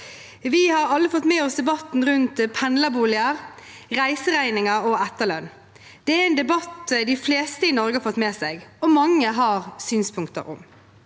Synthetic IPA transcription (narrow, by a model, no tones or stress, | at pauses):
ʋɪhɑɾɑlːəfɔt̪ːmeːɔsd̪ɛbɑt̪nʁʉnt̪pʰɛnləbuːlɪəʁ | ʁæɪsəɾæɪnɪŋɑɾɔɛt̪ːəlœn | d̪̥ɛæɛnd̪ɛbɑt̪d̪ɪfleːst̪əɪnɔɾɡəɑɾfɔt̪ːmeːsɛɡɔmɑŋːəɦɑʁsyːnspʰʊŋkt̪ə̰ɾʊ̰m